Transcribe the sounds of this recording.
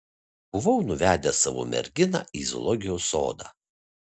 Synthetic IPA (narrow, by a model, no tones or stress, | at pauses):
b̥ʊʋɐʊnʊʋʲæːd̪ʲɛsɑʋo̰ːmʲɛ̰ɾʲɡʲɪnɑ̰ʔizɔ̰lˠɔɡʲɪjoso̰ːd̪ɑ̰